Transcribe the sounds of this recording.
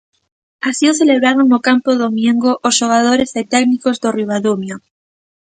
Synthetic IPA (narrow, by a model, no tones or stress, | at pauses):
asiosθ̬eleβɾaɾoŋnokampoðomjẽŋɡoʔosʃoɣ̞aðoɾeset̪ɛknikozðoriβ̞aðumjo